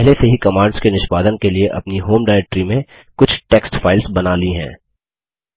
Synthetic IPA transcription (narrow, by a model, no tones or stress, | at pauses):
pɛɦleseɦikɐmaːɾɖskenɪʃpaːd̪ənkelieʔɐ̰pniɦoːmɖaːɪɾeːk̚ʈɾimẽ | kʊt͡ʃʰʈeːksʈfʰaːɪlsbɐnaːliɦɛ̰̃ː